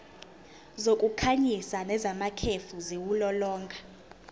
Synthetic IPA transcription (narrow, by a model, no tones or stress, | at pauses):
zokʼukʰaɲisanɛzamakʰefuziwulɔlɔːŋɡʱa